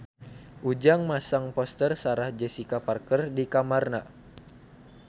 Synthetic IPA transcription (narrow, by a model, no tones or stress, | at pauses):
ʔud͡ʒaŋmasaŋpɔst̪ərsaɾahd͡ʒɛsikaparkərdikamarna